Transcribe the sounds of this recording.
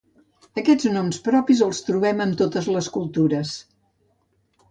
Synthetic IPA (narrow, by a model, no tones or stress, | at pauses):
əkɛd͡znomspɾɔpizəlˠst̪ɾuβɛməmt̪ot̪əzləskulˠt̪uɾəs